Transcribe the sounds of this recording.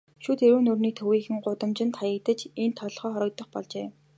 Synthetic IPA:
ʃuːt̪ʰeɾuːnɵrniːt̪ʰɵwiːxɘ̆ŋɢʊt̪ə̆mt͡ɕɪ̆nt̪χajə̆k̚t̪ə̆t͡ɕent̪ʰːɔɮχœːχɔɾɞ̆k̚t̪ə̆χpɔ̰ɮt͡ɕeː

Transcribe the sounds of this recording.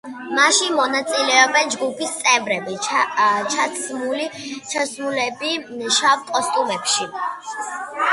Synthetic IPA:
maʃimɔnat̪sʼilɛɔbɛnd͡ʒɡupʰist̪sʼɛvɾɛbi | t͡ʃʰat̪ʰsmulit͡ʃʰasmulɛbiʃavkʼɔst̪ʼumɛpʃi

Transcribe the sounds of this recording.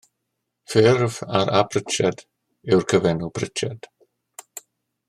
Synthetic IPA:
fɪrvaɾʔabʰrɪt͡ʃɛd | ɪwrkʰəvɛnupʰrɪt͡ʃʰɛd̥

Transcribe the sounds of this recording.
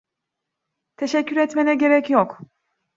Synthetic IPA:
t̪ʰeʃɛcʰːyɾɛt̪menɛɟe̞ɾɛcjok

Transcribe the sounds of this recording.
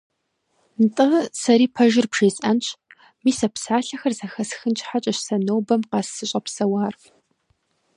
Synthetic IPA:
ntʼɨʁsɐɾiːpʰɐʒɪrpʂeːsʼɐnt͡ɕʰ | miːsɐpsaːɬɐxɐrzɐxɐsxɨnt͡ʃʼħat͡ʃʼɐɕsɐnowbɐmqɑsɨɕʼɐpsɐwaːr

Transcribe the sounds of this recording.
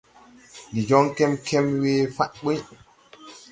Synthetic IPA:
ndid͡ʒɔŋkɛmkʰɛmweːfaʔɓəj

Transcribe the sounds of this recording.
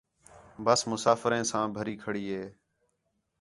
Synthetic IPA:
bəsmʊsaːfɾẽːsãːbʱəɾiːkʰəɽiːɦeː

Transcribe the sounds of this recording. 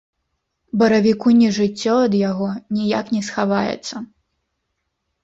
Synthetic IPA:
bɐɾɐvʲikunʲɛʐɨt͡sʲːɔɐd̪jaɣɔnʲijaknʲɛsxavajɛ̰t̪sːɐ

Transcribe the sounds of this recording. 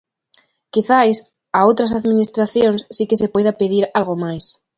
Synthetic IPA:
kiθajs | aowt̪ɾas̬aðminist̪ɾaθjoŋsːikes̬epojðapeðiɾalɣomajs

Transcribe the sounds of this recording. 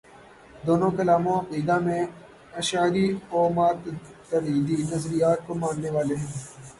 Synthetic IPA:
d̪oːnõkɐlaːmõɐqiːd̪amẽ | ɐʃaːɾioːmaːt̪t̪əɾiːd̪inɐzɾijaːt̪̚komãːnːeʋaːleɦɛ̃ː

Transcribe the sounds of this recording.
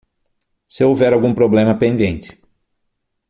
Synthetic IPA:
sɪowvɛɾawɡũpɾoblẽmɐpẽnd̪ẽnt͡ʃ̪ɪ̥

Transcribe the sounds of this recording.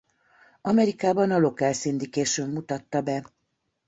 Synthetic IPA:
ɒmɛɾikaːbɒnɒlo̞kɛlsind̪ikeːʃøːmːut̪ɒt̪ːɒbɛ

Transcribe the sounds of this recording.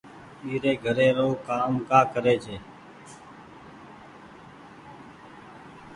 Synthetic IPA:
iːɾeːɡʱəɾeːɾoːkaːmkaːkəɾeːt͡ʃʰeː

